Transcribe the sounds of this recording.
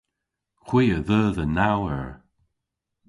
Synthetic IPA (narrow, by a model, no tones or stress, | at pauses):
xw̥iːəðəːðənawəɹ